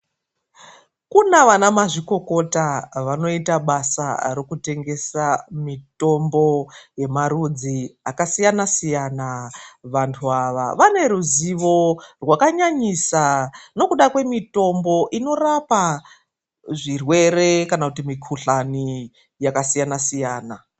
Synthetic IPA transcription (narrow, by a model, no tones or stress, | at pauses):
kunaʋanamaʐiko̞ko̞taʋano̞itaɓasa̰rokute̞ŋɡe̞samito̞mbo̞je̞maɾud͡ziakasijanasijanaʋantʰuaʋa̰ʋane̞ɾuziʋo̞rwakaɲaɲisano̞kuɗakwe̞mito̞mbo̞ʔino̞rapa | ʐirwe̞ɾe̞kanakutimikʰuɬani | jakasijanasijaːna